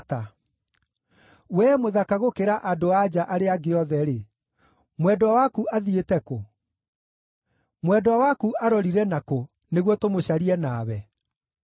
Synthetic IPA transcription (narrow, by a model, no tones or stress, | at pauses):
ta | wɛmoðakaɣokeɾaʔadoad͡ʑaʔaɾeaɡeɔðɛɾe | mwɛdwawakuaðietɛko | mwɛdɔawakuʔaɾɔɾiɾɛnako | neɣwɔtomoɕaɾiɛnaːwɛ